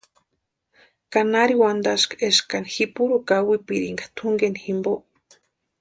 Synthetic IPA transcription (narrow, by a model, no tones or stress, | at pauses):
kanaɾiwand̪aʃkeʃkanixipuɾukawipiɾiŋɡḁt̪ʰuŋɡeniximboʔ